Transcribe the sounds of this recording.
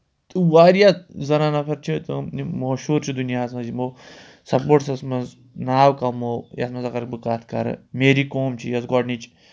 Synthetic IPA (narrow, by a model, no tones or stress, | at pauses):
t̪ɨwaːɾijazɐnaːnɐpʰɐɾt͡ʃʰit̪ɨnimoʃuːɾt͡ʃʰid̪unijaːsmɐzimo | sɐpoːʈsɐsmɐnz | naːwkɐmoːjɐ̰smɐnzɐkɐɾkbɨkaːt̪ʰkɐ̰ɾɐ̰meːɾiːkoːmt͡ʃʰijɐsɡɔːɖnit͡ʃʰi̥